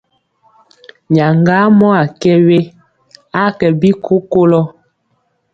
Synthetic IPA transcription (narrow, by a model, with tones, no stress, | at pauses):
ɲa˨ŋɡa˦mɔ˦a˨kɛ˦we˦ | a˦kɛ˨bi˦kʰo˦ko˦lɔ˦